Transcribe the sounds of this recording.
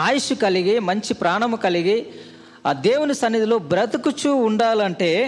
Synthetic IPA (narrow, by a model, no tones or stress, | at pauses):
aːjiʂukɐliɡimɐɲt͡ʃipɾaːɳɐmukɐliɡi | d̪eːwunisɐnːid̪ʱilo̞ːbɾɐt̪ɐkut͡ʃuːɳɖaːlɐɳʈe̞ː